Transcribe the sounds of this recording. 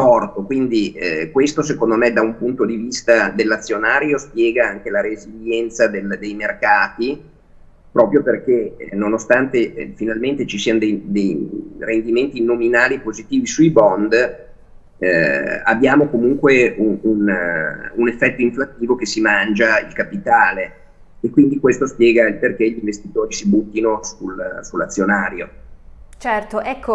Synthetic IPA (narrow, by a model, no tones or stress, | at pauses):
ɔrt̪okwind̪ikwest̪os̬ekond̪omed̪aumpunt̪od̪ivist̪ad̪elːat̪sːjonaːɾjospjɛːɡaaŋkelaɾeziljɛnt̪sad̪eld̪ejmerkaːt̪i | pɾɔːpɾjoperkenːonost̪ant̪efinalment̪et͡ʃisiːanod̪ejd̪ejrend̪iment̪inominaːlipozit̪iːvisuibɔnd̪ | a̰bːjaːmokomuŋkweuun | unefːɛt̪ːoiɱflat̪ːiːvok̟esːimand͡ʒaḭlkapit̪aːleː | kːwind̪ikwest̪ospjɛːɡaperkeʎiɱvest̪it̪oːɾisibut̪ːinosulsulːat̪sːjonaːɾjo | t͡ʃɛrt̪oʔɛkːo